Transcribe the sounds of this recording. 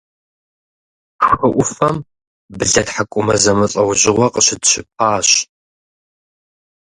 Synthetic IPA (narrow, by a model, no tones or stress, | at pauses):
ʂɨʔʷʊfɐm | bɨɮɐtħakʷʼʊmɐzɐmɨɬʼɐwʑɪʁʷɔqəɕɪdɕɪp̚ʰaːɕ